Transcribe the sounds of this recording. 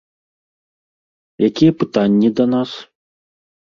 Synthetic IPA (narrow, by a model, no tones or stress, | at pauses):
jakʲijɐpɨt̪anʲːid̪ɐn̪as